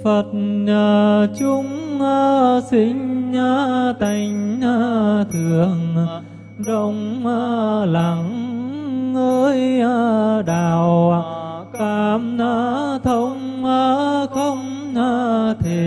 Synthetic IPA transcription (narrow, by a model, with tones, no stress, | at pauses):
fə˨˩t̚ɲəː˨˩t͡ɕʊ˧˦ŋ͡məː˧si˧˥ŋ̟aː˧t̪a˧˩jŋ̟ʔa˧t̪ʰɨ˨˩˨əŋ | zə˧wŋ͡mʔaː˧la˨˩ŋː | əː˧jaː˧ɗaː˨˩wa˧kaː˧mʔaː˧t̪ʰə˧wŋ͡m | ʔəː˧xə˧wŋ͡m | ɲəː˧t̪ʰe˨˩